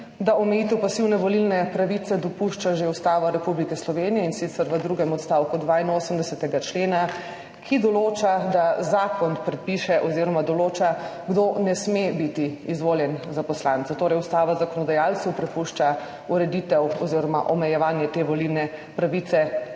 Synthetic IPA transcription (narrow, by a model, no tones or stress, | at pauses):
d̪aɔmɛjit̪ɛwpasiwnɛʋɔlilnɛpɾaʋit̪sɛd̪ɔpuʃt͡ʃaʒeust̪aːʋaɾɛpublikɛslɔʋenijɛinsit̪sɛɾʋəd̪ɾuɡɛmɔt̪st̪awkud̪ʋainoːsəmd̪ɛsɛt̪ɛɡat͡ʃleːna | kʰid̪ɔloːt͡ʃad̪azaːkɔnpɾɛt̪̚piʃɛʔɔziɾɔmad̪ɔloːt͡ʃaɡd̪onɛsmebit̪iizʋoːljɛnzapɔslaːnt̪ɔt̪oːɾɛjust̪aːʋazakɔnɔd̪ajalt̪səwpɾɛpuʃt͡ʃa | uɾɛd̪it̪ɛwɔziɾɔma̰ʔɔmɛjɛʋaːnjɛt̪eʋɔlilnɛ | pɾaʋit̪sɛ